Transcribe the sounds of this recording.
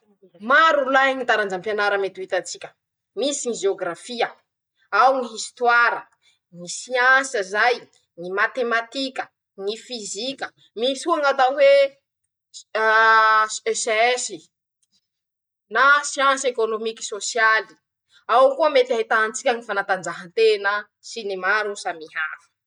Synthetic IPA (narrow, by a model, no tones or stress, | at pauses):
maɾulaɦŋit̪aɾand͡ʒampjanaɾəmet̪uit̪at͡sikʲə̥ | misiŋiʒeoɡɾafiə | awŋiist̪waɾə | ŋisiansəzaj | ŋimat̪emat̪ikʲə̥ | ŋifizikʲə | misuaŋat̪awe | ɛseɛsi | nasiãnsekonomiki̥sosjali̥ | awkuəmet̪aɦit̪ant͡sikʲaŋifanat̪and͡zaɦənt̪enə | sinemaɾusamihafə̥